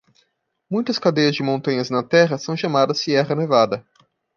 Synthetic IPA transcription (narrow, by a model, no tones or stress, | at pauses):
mũj̃t̪ɐskad̪ejɐzd͡ʒɪmõnt̪ɐ̃ɲɐznɐt̪ɛɦɐsɐ̃w̃ʃamad̪ɐsiɛʁɐnevad̪ɐ